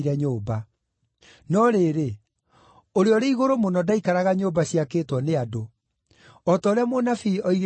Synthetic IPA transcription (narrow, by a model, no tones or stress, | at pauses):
ɾɛɲoːba | nɔɾeɾe | oɾeɔɾeiɣoɾomonɔdaikaɾaɣaɲoːbaɕiakeːtwɔneado | ɔtaoɾeamonafiɔiɾ